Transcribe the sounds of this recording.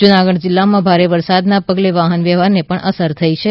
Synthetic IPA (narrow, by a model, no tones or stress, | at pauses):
d͡ʒʊnaɡəɽd͡ʒɪlːamãbʱaɾeʋəɾsad̪napəɡleʋaɦənʋjɛʋaɾnepəɳʔəsəɾt̪ʰəit͡ʃʰe